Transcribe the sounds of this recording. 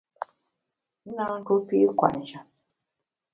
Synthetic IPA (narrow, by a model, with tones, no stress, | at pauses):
n̩˦na˦ŋ̩˦ko˦pi˦kʷa̰˨n̩˨d͡ʒa˨